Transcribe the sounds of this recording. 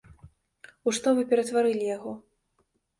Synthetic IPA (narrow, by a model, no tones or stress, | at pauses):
uʂt̪ɔvɨpʲɛɾɐt̪vaɾɨlʲijaɣɔ